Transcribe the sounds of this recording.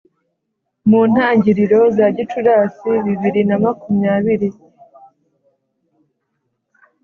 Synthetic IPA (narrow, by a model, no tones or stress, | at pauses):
muːn̥haːɲɟiɾiɾo̞zaɟit͡ʃuɾaːsiβiβiɾinamakumɲaːβiɾi